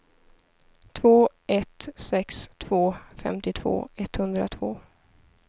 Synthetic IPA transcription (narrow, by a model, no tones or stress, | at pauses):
t̪ʰvoː | ɛt̪sɛkst̪ʰv̥oːfɛ̰mt̪ɪt̪ʰv̥o̰ːɛt̪hɵnd̪ɾa̰t̪ʰvoː